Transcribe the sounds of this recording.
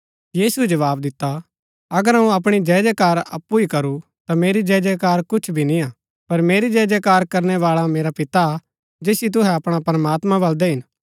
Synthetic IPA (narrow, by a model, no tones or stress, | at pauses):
jiːsuɛd͡ʒɐʋaːbd̪ɪt̪ːa | ɐɡəɾɦɐũɐp̬ɽ̃id͡ʒɛːd͡ʒɛkaːɾɐ̰pːuikɐɾu | t̪ameːɾid͡ʒɛːd͡ʒɛkaːɾkʊt͡ʃʰbʱinĩaː | pɐɾmeːɾid͡ʒɛːd͡ʒɛkaːɾkɐɾñɛʋaːɭameːɾapɪt̪a | d͡ʒeːsit̪̬ʊɦɛɐpɽ̃apɾɐmaːt̪mãbɐld̪ɛɦɪn